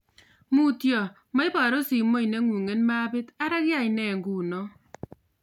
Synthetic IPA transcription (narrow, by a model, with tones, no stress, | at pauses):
mu˦tjɔ˨ | ma˦i˦ba˨ɾo˦si˨mo˦i˨ne˦ŋu˨ŋe˦nma˦bɪ˦ta˦ɾa˦kja˦˨i˨nɛ˨ŋɡu˨nɔ˦